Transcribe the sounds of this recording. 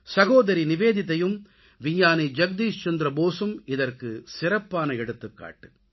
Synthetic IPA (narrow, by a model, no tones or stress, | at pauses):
sɐɣoːðɐɾinɪʋeːðɪt̪̬ːɐjɯm | ʋɪjaːnid͡ʒɐɡ̚d̪iːst͡ʃɐnd̪ɾɐboːsɯmɪðɐrkɯsɪɾɐpːaːnɐɛɽɯt̪ːɯkːa̰ːʈːɯ